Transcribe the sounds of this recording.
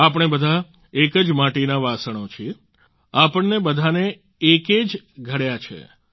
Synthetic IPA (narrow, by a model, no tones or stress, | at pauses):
apɳ̃ebəd̪ʱa | ekəd͡ʒmaʈinaʋasəɳ̃ot͡ʃʰie | apəɳnebəd̪ʱane | eked͡ʒ | ɡʱəɽjat͡ʃʰḛ